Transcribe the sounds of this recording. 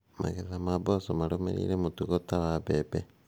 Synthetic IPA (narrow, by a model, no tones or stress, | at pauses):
ma̰ɣezamaβosomaɾomḛɾḭɾemutuɣotaβaβebe